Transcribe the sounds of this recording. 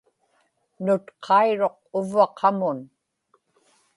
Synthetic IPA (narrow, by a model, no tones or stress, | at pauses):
nʊt̪qʰɑiɻo̞q̚ʊvɑqʰɑmʊn